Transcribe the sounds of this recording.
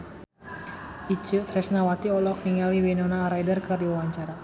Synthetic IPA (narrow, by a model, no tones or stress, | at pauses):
it͡ʃut̪ɾɛsnawat̪iɔlɔk̚niŋaliwinɔnaɾajdərkərdiwawaɲt͡ʃaɾa